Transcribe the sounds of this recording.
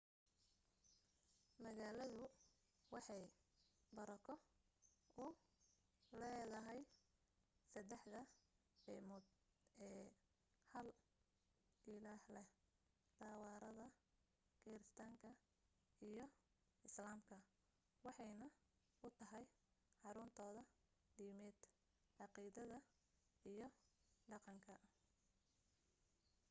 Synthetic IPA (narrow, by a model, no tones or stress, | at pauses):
mɐɣaːlɐðʊ | wɑħɑjbɐɾɐkʰɔ | ʊ | lɛːðɐɦɛj | sɐd̪ɛħðɐ | ɛmʊd̪ | ɛː | hɐl | ɪlaːhlɛh | d̪̥aːwɑːɾɐðɐ | ɡ̥ɛːɾɪst̪ʰaːŋkʰɐ | ijɞ | ɪslaːmkʰɐ | wɑħɑjnɐ | ʊt̪ʰɐɦɛj | ħɑɾʊːnt̪ʰɔːðɐ | ɖiːmɛːd̪̥ | ʕɑqiːðɐðɐ | ijɔɖɑqɑŋkʰɐ